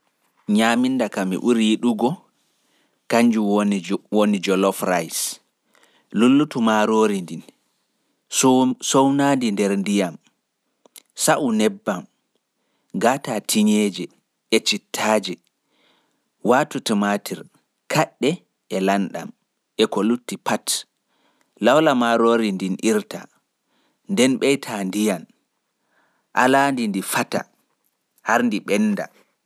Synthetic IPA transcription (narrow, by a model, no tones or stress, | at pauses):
ɲamindakamḭʔuɾijiɗuɡɔ | kaɲd͡ʒunwonid͡ʒɔlɔfɾajs | lulːutumaɾoːɾindin | sownandindɛɾndijam | saʔunɛbːam | ɡatatʰiɲeːd͡ʒɛ | ɛt͡ʃitʰːaːd͡ʒɛ | waːtutumatʰiɾ | kʰaɗːɛ | ɛlanɗa̰m | ʔɛkolutːipat | lawlamaɾoːɾindinʔiɾta̰ | ndɛnɓɛjtʰandijan | ʔa̰landindifata̰ | haɾndiɓɛnːda̰